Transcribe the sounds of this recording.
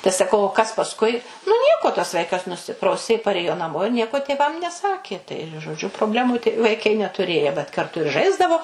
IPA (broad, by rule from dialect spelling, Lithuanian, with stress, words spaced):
tɐɪ sɐˈkɐʊ oː kɐs pɐsˈkʊɪ nʊ ˈnʲiɛkoː tɐs ˈʋɐɪkɐs nʊˈsʲɪprɐʊsʲeː pɐˈrʲeːjoː nɐˈmoː ɪr ˈnʲiɛkoː tʲeːˈʋɐm nʲɛˈsɑːkʲeː tɐɪ ʒoːˈd͡ʒʲʊ proːbʲˈlʲæːmuː tɐɪ ʋɐɪˈkɐɪ nʲɛtʊˈrʲeːjɛ ʋɐt kɐrˈtʊ ɪr ˈʒɐɪzdɐʋoː